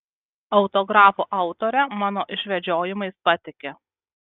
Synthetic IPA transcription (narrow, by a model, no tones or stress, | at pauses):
ɒʊt̪ɔɡɾɑːfuʔɐˑʊt̪ɔːɾʲɛmɑːnoːʔɪʃʲʋʲɛd͡ʒʲoːjɪmɐɪspɐt̪ʲɪkʲe